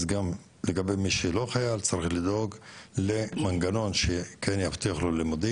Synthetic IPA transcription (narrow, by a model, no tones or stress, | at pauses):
zɡam | leɡabejmiʃelo̞χajalt͡saɾiχlid̪o̞ɡlemanɡano̞nʃekʰenjaft̪iaχlolimud̪i